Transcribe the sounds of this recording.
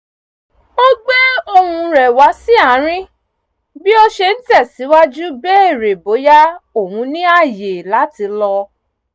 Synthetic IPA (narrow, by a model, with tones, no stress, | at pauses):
o˦ɡ͡bɛ˦o˦˧hũ˧ɾɛ˨wa˨˦si˦a˦˨˦ɾ̃ĩ˦ | bi˦o˧ʃe˧n̩˦tɛ˦˨si˨˦wa˦d͡ʒu˦bɛ˦e˦˨ɾe˨bo˨˦ja˦o˦˨hũ˨˧nĩ˦a˦˨je˨la˨˦ti˧lɔ˧